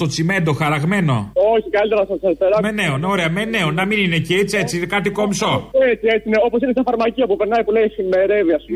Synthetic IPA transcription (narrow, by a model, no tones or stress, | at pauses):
t̪o̞t͡sime̞nd̪o̞xɐɾɐɣme̞no̞̰oçikɐlit̪eɾɐsɐɐspeɾɐmeneoneoɾeɐmeneonɐminineceet͡sie̞t͡sinekɐt̪ikomso̞et͡siet͡sineo̞po̞sinesɐfɐɾmɐciɐpupeɾnɐjpuleiximeɾeviɐsu